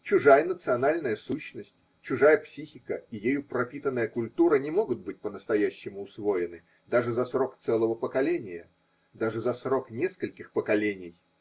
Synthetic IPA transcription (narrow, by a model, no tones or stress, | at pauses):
t͡ɕʊʐajənət̪sɨɐnalʲnəjəsuɕːnəsʲtʲ | t͡ɕʊʐajəpsʲixʲɪkəijejupɾɐpʲit̪ənːəjəkʊlʲt̪uɾənʲɪmo̞ɡʊt̪̚bɨtʲpənəst̪ɐjæɕːɪmʊːsvo̞ɪnɨ | d̪aʐɨzɐsro̞kt̪sɛlˠəvəpəkɐlʲenʲɪjə̰ | d̪aʐɨzɐsro̞knʲeskəlʲkʲɪxpəkɐlʲenʲɪj